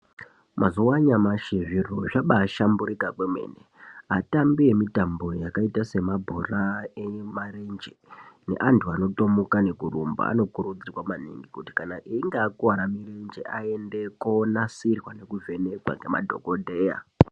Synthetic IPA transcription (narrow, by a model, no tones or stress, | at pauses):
mʔazuwaɲamaʃeviroʐaɓaːʃambuɾikakwemwe̞̰ːneatambie̞mitambo̞jakaitase̞mabʱoraemarend͡ʒene̞̰ʔantʰuano̞to̞mukane̞kurumba̰a̰no̞kurud͡zirwamanḭŋɡikuti̥kanaʔiːŋɡeːkuwaɾamirend͡ʒḛʔae̞nde̞konasirwane̞kuvʱe̞ne̞kwa̰ŋɡe̞ma̰dʱo̞̰kodʱe̞ːja̰